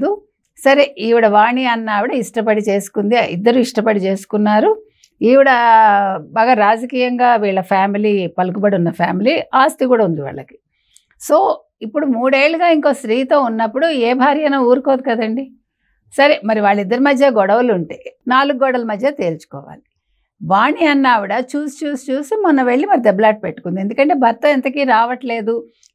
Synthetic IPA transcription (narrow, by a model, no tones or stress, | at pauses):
d̪u | sɐɾeiːʋiɽɐʋaːɳiɐnːaːʋiɽɐiʂʈɐp̬ɐɽit͡ʃe̞ːsu̥kund̪iḭd̪ːɐɾuiʂʈɐpɐɽit͡ʃe̞ːsu̥kunːaːɾu | iːʋiɽɐ | baːɡaɾaːd͡ʒɐkiːjɐŋɡaːʋiːɭːɐpʰaːmiliːpɐluk̬ubɐɽiunːɐpʰa̰ːmiliːaːst̪ikuːɽaːund̪iʋa̰ːɭːɐki̥ | so̞ː | ipːuɽumuːɽe̞ːɭːuɡaːiŋko̞ːʃɾiːt̪o̞ːunːɐpːuɽueːbʱaːɾjɐnaːuːɾukoːd̪ikɐd̪ɐɳɖi | sɐɾemɐɾiʋaːɭːid̪ːɐɾimɐd̪ʱjɐɡɔɽɐʋɐluɳʈeːnaːluɡɡɔːɽɐlɐmɐd̪ʱjɐt̪e̞ːlt͡ʃu̥kɔ̰ːʋa̰ːli | baːɳiɐnːaːʋiɽɐt͡ʃuːsi̥t͡ʃuːsi̥t͡ʃuːsimɐnɐʋe̞ɭːimɐɾid̪eblaːʈ̚peʈːu̥kund̪ie̞nd̪ukɐɳʈe̞ːbʱɐɾt̪ːɐent̪ɐkiːɾaːʋɐʈle̞ːd̪u